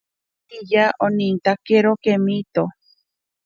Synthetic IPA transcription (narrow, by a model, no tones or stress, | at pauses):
ijaʔonint̪akeɾokemit̪o